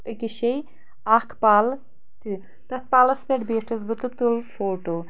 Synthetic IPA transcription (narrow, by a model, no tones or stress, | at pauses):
əkʲiʃɐj | aːkʰpaːl | t̪ɨ | t̪ɐt̪̚paːlɐspʲeʈbeːʈʰɐzbɨt̪ɨt̪ulfoːʈoː